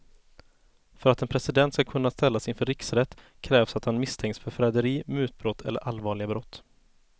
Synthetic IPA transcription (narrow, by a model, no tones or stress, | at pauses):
fœɾat̪ɛnpʰɾɛsɪd̪ɛnt̪skakʰɵnːast̪ɛlːasɪnfœɾɪksɾɛt̪ː | kʰɾɛːvsat̪hanmɪst̪ʰɛŋksfœɾfɾɛd̪əɾiːmʉ̟ːt̪̚bɾɔt̪ʰːɛ̰lːə̰ɾʔalvɑːɭɪɡabɾɔt̪ː